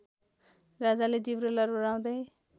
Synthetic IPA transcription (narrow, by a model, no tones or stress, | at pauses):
rad͡zaled͡zibɾolʌrbʌɾaw̃d̪ʌj